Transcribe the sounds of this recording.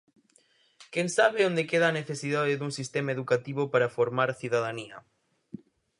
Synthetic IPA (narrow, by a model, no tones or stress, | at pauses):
keŋsaβeond̪ekeðaːneθesiðaðeðuŋsist̪emaeðukat̪iβopaɾafoɾmaɾθiðaðaniɐ̰